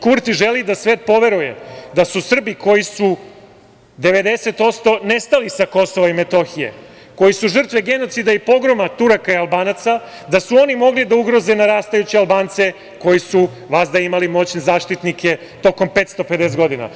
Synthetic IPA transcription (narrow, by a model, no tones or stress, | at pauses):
kuɾt̪iʒe̞lid̪asʋeːt̪̚po̞ʋe̞ɾujḛd̪asusr̩biko̞jisu | d̪e̞ʋe̞d̪ese̞t̪o̞t̪st̪o̞ne̞st̪alisako̞so̞ʋaime̞t̪o̞xije̞̰ | ko̞jisuʒr̩t̪ʋeɡe̞no̞t̪sid̪aipo̞ɡɾo̞mat̪uɾakaialbaːnat̪sa | d̪asuo̞nimo̞ɡlid̪auɡɾo̞ze̞naɾaːst̪ajut͡ɕialˠbaːnt̪se̞ | ko̞jisu | ʋazd̪aimalimo̞t͡ɕnezaːʂt̪it̪nikʰe̞ | t̪o̞ko̞mpe̞ːt̪st̪o̞ped̪esed̪ɡo̞d̪ina̰